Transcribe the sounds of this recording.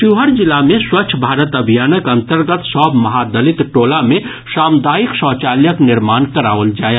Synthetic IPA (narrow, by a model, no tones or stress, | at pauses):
ʃiɦəɾd͡ʒɪlamẽswət͡ʃʰbʱaːɾət̪ɐbʱijaːnəkɐ̃nt̪əɾɡət̪sɔbmɐɦad̪əlit̪ʈoːlamẽ | ʃaːmd̪aːiksɔːt͡ʃaːljəknɪɾmaːnkəɾaːʋəld͡ʒaːje